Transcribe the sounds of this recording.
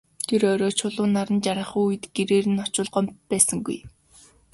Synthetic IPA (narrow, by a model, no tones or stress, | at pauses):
t̪ʰeɾɔɾɔːt͡ɕʰʊɮʊːnːaɾə̆nt͡ɕaɾə̆χuujɘ̆t̪ɡ̥eɾeːɾɘ̆nɔt͡ɕʊ̆ːɮɢɔmt̪̚pæːsə̆ŋɡṵj